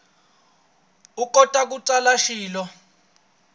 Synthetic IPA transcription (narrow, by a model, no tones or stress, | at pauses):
ukʼɔtʼak̬uǀalaʃiːlɔ